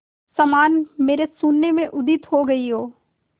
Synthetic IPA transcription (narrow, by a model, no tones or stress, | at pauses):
sɐmaːnmeːɾesʊnːemẽʔʊd̪ɪt̪ɦoɡɐiɦoː